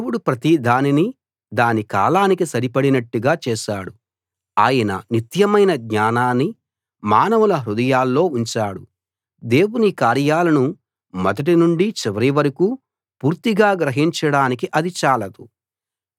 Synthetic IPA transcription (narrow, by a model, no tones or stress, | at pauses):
ewuɽupɾɐt̪id̪ʱaːnini | d̪aːnika̰ːlaːnikisɐɾipɐɽinɐʈːuɡaːt͡ʃɛːʃaːɽu | aːjɐnɐ̰nit̪jɐmɐjnɐɡɲaːnaːnːi | maːnɐʋɐlɐɦɾud̪ɐjaːlːo̞ːuɲt͡ʃaːɽu | d̪e̞ːwunikaːɾjaːlɐnu | mɐd̪ɐʈ̬inuɳɖit͡ʃɛʋɐɾiʋɐɾɐku | puːɾt̪iɡaːɡɾɐɦiɲt͡ʃɐɽaːnikiʔɐd̪it͡ʃaːlɐd̪u